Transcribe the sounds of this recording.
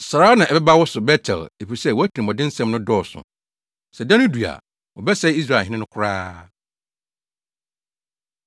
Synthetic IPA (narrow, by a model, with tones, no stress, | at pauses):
sɾaː˦nã˨ɛ˨bɛ˦ba˦wɔ˦sʊ˨bɛ˦tʰɛ̰˨le˨fi˨sɛ˦˨wɔ˨˦æ˦tʰĩ˨mɔ̃˨dɪ̃˦n̩˦sɛ̃˦mnʊ̃˦dɔː˦˨sʊ̰˨ | sɛ˨dã˦nʊ̃˦du˨a̰˨ | wɔ˨bɛ˦sɛ˦i˦s̬ɾa˨hɪ̃˦nɪ̃˦nʊ̃˦kʰʊ˦˨ɾaː˦